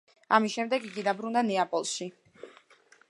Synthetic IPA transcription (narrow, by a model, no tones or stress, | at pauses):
amisʃɛmd̪ɛɡiɡid̪abɾund̪anɛapʼɔlˠʃi